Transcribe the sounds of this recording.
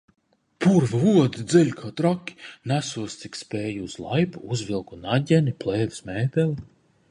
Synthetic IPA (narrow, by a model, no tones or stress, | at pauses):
pʰuɾvuɔd̪id̪zɛlʲkʰaːt̪ɾakʲːi̥næsuɔst̪sikspɛːjuuz̥lˠa̰jpuuzvilˠkunaɟʲɛniplˠɛːvi̥smɛːpʲɛli